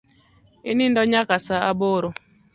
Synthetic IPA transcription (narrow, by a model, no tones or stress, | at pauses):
ɪnɪndɔɲakasaaboɾo